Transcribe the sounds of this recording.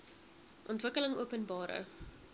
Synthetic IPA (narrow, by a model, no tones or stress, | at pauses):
ʔɔntvəkələŋuəpənbɑːɾə̰